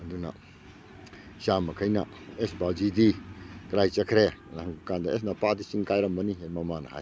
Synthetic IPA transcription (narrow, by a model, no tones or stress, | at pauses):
ɐduna̰ | samɐkʰɐjnɐ | esbawd͡ʒidikɾajt͡ʃɐkʰɾenaɐŋkand̪aes̬napadisiŋkajɾɐmbɐniɦemɐmanɐha̰j